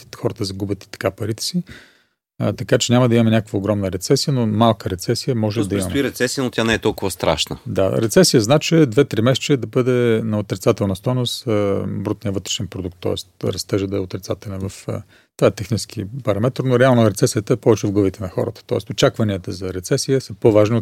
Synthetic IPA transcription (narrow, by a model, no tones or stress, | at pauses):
xɔɾət̪əzɐɡubʲət̪i̥t̪ɐ̥kapɐɾit̪ɛ̥si | ət̪ɐkat͡ʃɛnʲamɐd̪ɐimɐmɛnʲakəkvəoɡɾɔmnəɾɛt̪sɛsijənomalˠkəɾɛt̪sɛsijəmɔʒɛd̪ɐimmɐmɛiɾɛt̪sɛsijənot̪ʲanɛɛt̪ɔlˠkʊvəst̪ɾa̰ʃnə̰d̪aɾɛt̪sɛsijəznat͡ʃɛd̪vɛt̪ɾimɛst͡ʃɛd̪ɐbɤd̪ɛnɐot̪ɾɛt̪sat̪ɛlˠnəst̪ɔjnosəbɾut̪nijəvɤt̪ɾɛ̥ʃɛnpɾod̪uk̚t̪ːɔ̰ɛst̪ɾɐst̪ɛʒəd̪ɐɛot̪ɾɛt̪sat̪ɛlʲɛnvɐf | t̪vaɛt̪ɛxnit͡ʃɛ̥skipɐɾɐmɛt̪ɾnoɾɛalˠnoɾɛt̪sɛsijət̪əɛpɔvɛt͡ʃɛvɡlˠəvit̪ɛnɐxɔ̰ɾət̪ə̥t̪ɔɛst̪ot͡ʃakvɐniət̪əzɐɾɛt̪sɛsijəsɐpovaʒnio